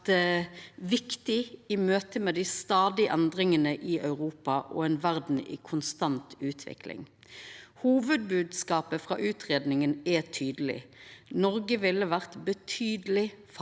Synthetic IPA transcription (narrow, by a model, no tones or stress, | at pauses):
ʋɪkt̪ɪiːmøːt̪əmeːd̪ɪst̪ɑːd̪ɪʔɛnd̪ʁɪŋənəʔɪʔœʉʁuːpɑʔɔ̰ɛnʋæʁd̪n̩ḭːkʰʊnst̪ɑnt̪ʉːt̪ʰʋɪ̰klɪ̰ŋ | huːʋəd̪̚bʉːd̪skɑːpəfʁɑ̰ːʔʉːt̪ʁeːd̪nɪŋənɛt̪ʰyːd̪əlɪ̰nɔʁɡəʋɪlːəʋæʁt̪bət̪ʰyːd̪əlɪf